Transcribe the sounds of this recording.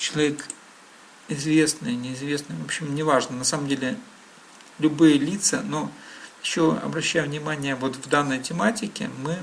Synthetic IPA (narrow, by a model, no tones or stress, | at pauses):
t͡ɕɪlˠɐvʲe̞k | ɪzvʲe̞snɨjnʲɪɪzvʲe̞snɨjvopɕːɪmnʲɪvaʐnənɐsamə̃mdʲelʲɪ | lʲʊbɨjəlʲit̪səno̞jɪɕːo̞ɐ̰bɾɐɕːæjʊvnʲɪmanʲɪjəvo̞t̪vd̪anːəjtʲɪmatʲɪkʲɪ̰mɨ